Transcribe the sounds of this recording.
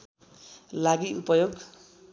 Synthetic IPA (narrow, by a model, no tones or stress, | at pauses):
laɡiupʌjoɡ